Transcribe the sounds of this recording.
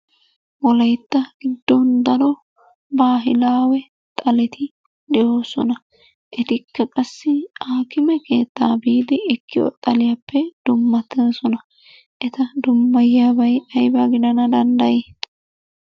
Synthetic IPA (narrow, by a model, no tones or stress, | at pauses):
wɔlɐjt̪ːɐɡ̥ɪd̪ːɔnd̪ɐɾɔ | baːɦɪlaːwɛ | t̪ʼɐlɛt̪ɪ | d̪ɛʔo̞ːsɔ̰nɐ | ʔɛt̪ɪkːɐkʼɐsːɪaːkɪmɛke̞ːt̪ːa̰ːbiːd̪ɪɪkːɪjo̰t̪ʼɐlɪjɐpːɛd̪̥ʊmːɐt̪ːɛnsɔnɐ | ʔɛt̪ɐd̪ʊmːɐjaːbɐjɐjbɐɡɪd̪ɐnɐd̪ɐnd̪ɐjeː